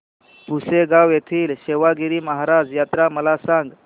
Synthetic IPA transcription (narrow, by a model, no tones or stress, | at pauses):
puseɡawjet̪ʰiːlɕeʋaɡiɾiːməɦaɾad͡zjat̪ɾaməlasaŋɡ